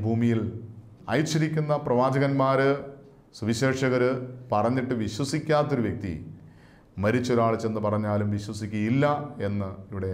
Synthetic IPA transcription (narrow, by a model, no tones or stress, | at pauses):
bʱuːmijil | ɐ̰jt͡ɕːɐɾikʲːunːɐprɐʋaːd͡ʑɐɣɐnmaːɾɨ | suʋiɕe̞ːʂɐɣɐɾɨpɐrɐɲːiʈːɨʋiɕwɐsikʲːaːt̪ːo̞ɾuʋjɐk̚t̪ḭ | mɐɾit͡ɕːo̞ɾaːɭt͡ɕːe̞nːɨpɐrɐɲːaːlumʋiɕwɐsikʲːɐjilːɐe̞nːɨiʋiɽe